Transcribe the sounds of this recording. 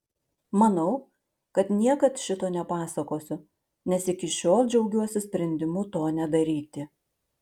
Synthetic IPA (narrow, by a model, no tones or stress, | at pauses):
mɐnɐʊ | kɐt̪nʲiɛkɐt̪ʃʲɪt̪oːnʲɛpɑːsɐkoːsʲʊ | nʲɛsɪkʲɪʃʲoːlˠd͡ʒʲɛʊɡʲuɔsʲɪsʲpʲɾʲɛnʲd̪ʲɪmʊt̪oːnʲɛd̪ɐɾʲiːt̪ʲɪ